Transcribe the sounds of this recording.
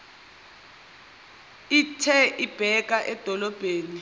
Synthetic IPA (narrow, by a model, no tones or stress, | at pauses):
itʰɛʔib̥ʱɛk̬ʼaʔɛd̥ʱɔlɔb̥ʱeːni